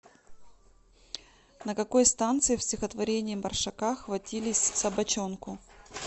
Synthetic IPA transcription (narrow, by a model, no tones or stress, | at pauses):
nəkɐko̞jst̪ant̪sɨɪfsʲtʲɪxət̪vɐɾʲenʲɪːɪmɐrʂɐkaxvɐtʲilʲɪsʲsɐbɐt͡ɕonkʊ